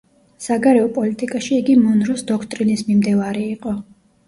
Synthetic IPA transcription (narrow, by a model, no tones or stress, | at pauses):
saɡaɾɛɔpʼɔlit̪ʼikʼaʃiːɡimɔnɾɔsd̪ɔkʰt̪ʼɾinismimd̪ɛvaɾiːqʼɔ